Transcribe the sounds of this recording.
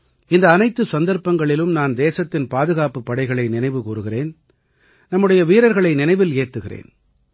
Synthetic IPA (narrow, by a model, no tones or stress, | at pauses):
ɪnd̪ɐːnɐɪt̪ːɯsɐnd̪ɐɾpɐŋɡɐɭɪlɯmnaːnd̪eːsɐt̪ːɪnpaːðɯɣaːpɯpːɐɽɐɪɣɐɭɐɪnɪnɐɪʋɯkuːrɯɣɪreːn | nɐmːɯɽɐjɐʋiːɾɐɾɣɐɭɐɪnɪnɐɪʋɪleːt̪ːɯɣɪrḛːn